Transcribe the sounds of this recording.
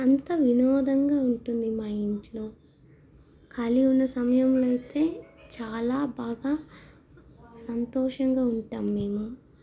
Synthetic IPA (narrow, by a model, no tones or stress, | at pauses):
ɐnt̪ɐʋinɔːd̪ɐŋɡaːuɳʈund̪imaːiɳʈlo̞ː | kʰɐliunːɐsɐmɐjɐmloɐjt̪e̞ːt͡ʃaːlaːbaːɡaː | sɐnt̪ɔːʂɐŋɡaːuɳʈaːmne̞ːmu